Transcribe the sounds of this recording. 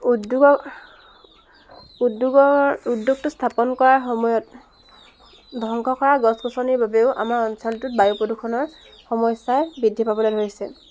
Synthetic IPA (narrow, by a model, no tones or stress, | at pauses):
udjuɡɔ | uduɡɔudjuɡ̚tʊstʰapɔnkɔɹaɹxɔmɔjɔt | dʱɔŋkʰɔkʰɔɹaɡɔskusʰɔniɹbabeʊʔa̰maɹɔnsɔltʊt̚bajupodukʰɔnɔɹ | xɔmɔjsajbidʱːipabɔledʱoɹisɛ